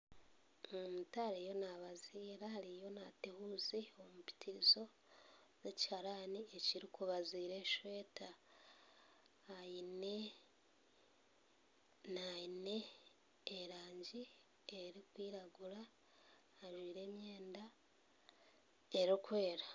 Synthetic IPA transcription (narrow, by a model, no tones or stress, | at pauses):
omutaːɾejo̞naβaziːɾahaɾijo̞natehuːziomupi̥tʰiɾizo̞ | zeci̥haɾanieciɾikuβaziːɾe̞ʃwe̞ːta | jine̞ | naine̞ː | ɾaːɲɟi | eɾikwiːɾaɡuɾaː | ʒwiːɾe̞ːmje̞ːnda | eɾikwe̞ːɾa